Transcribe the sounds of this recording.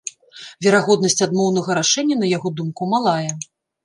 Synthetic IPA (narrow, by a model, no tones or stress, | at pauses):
vʲɛɾaɣɔd̪nɐsʲt͡sʲad̪mɔwnɐɣɐɾaʂɛnʲːɐnɐjaɣɔd̪umkumalˠajɛ